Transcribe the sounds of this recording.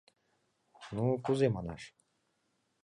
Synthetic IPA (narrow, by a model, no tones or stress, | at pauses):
nukuzemana̰ʃ